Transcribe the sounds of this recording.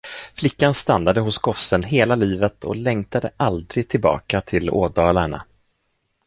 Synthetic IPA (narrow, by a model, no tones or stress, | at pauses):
flɪkːanst̪anːad̪əɦʊsɡɔsːənɦeːlaliːvət̪ʰɔ̰lɛŋt̪ʰad̪əʔald̪ɾɪɡ̚t̪ʰɪlbɑ̰ːkat̪ʰɪlo̰ːd̪ɑːlaɳa̰